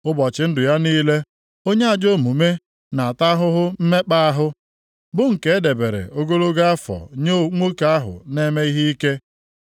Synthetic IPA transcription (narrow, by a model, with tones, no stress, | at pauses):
ʊ˦bɔ˨t͡ʃɪ˨˦n̩˦dʊ˨ja˦niː˦le˦ | o˦ɲe˦a˨d͡ʒo˦˨mu˨me˦ | na˨a˨ta˦ɦʊ˦ɦʊ˦m̩˦me˦k͡pa˦a˦ɦʊ˦ | bʊ˦ŋ̩˨ke˦e˦de˨be˨ɾḛ˨ʔo˦ɡo˦lo˦ɡa˦a˦fɔ̰˨ɲo˦˨ŋʷo˦ka˨˦a˦ɦʊ̰˨ne˦me˦i˦ɦi˦i˦ke˦